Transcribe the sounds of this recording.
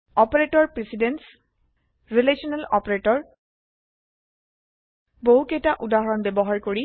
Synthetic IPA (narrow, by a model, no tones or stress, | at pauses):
ɔpɔɹetɔɹpɹesidens | ɹilesɔnɛlɔ̰pɔɹetɔɹ | boɦukejtaʔudaɦɔɹɔnbebɔɦaɹkoɹi